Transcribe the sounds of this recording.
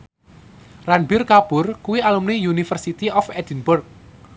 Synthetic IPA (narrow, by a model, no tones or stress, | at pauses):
ranbirkab̥ʊrkuwialumnijunifərsit̪iɔfɛd̪inbʊrk̚